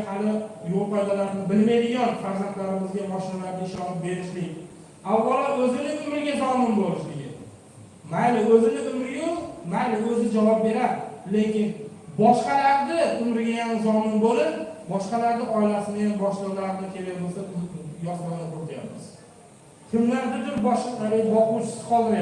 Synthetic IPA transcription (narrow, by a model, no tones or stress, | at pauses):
halɪjolˠqɒjʁalaɾɪnɪbɪlmajd̪ɪɡʲanfaɾzant̪laɾɪmɪzɡʲabɒʃlanaɾd̪ɪɪʃɒnɪp̚be̞ɾɪʃlɪkʲ | awːɒlaɾɵzɪnɪʊmɾɪɡʲazɒmɪnbolɪʃlɪɡʲɪ̰n | malɪɵzɪnɪʊmɾɪjoqmajlɪɵzɪd͡ʒavɒp̚be̞ɾad̪ɪle̞kʲɪn | bɒʃqɑlaɾd̪ɪʊmɾɡʲajanzɒnɪnbolɪɾbɒʃqɑlaɾd̪ɪʔɒɪlasɪnɪjambɒʃlɨlaɾɪnɪkʲʰe̞lajbolˠsajɒq̪ɒlanatot̪ʰɪja̰pmɪz̥ | t̪ʰɪmlaɾd̪ʊd̪ɪnbɒʃqalebɒqʊwt͡ʃʰɪ̥sɪ̥qʰɒlˠɪn